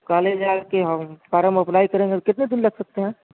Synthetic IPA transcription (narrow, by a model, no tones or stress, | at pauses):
kaːleːd͡ʒaːɾkeɦəmfaːɾəmɐplaːikɐɾẽːŋɡekɪt̪ned̪ɪnlɐɡsɐk̚t̪eɦɛ̃ː